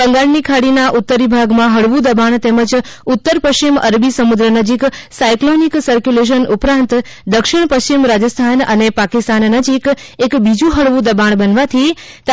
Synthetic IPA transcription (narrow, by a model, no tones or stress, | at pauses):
bəŋɡaɭnikʰaɽinaʔʊt̪ːəɾibʱaɡmãɦəɽʋũd̪əbaɳ̃t̪eməd͡ʒʊt̪ːəɾpəsiməɾbisəmud̪ɾənəd͡ʒiksajkloniksəɾkjuleʃ̬ənʔʊpɾãnt̪ | d̪əkʃiɳ̃pəst͡ʃimɾad͡ʒəst̪ʰanə̰nepakist̪anːəd͡ʒik | ekbid͡ʒũɦəɽʋũd̪əbaɳ̃bənʋat̪ʰi | t̪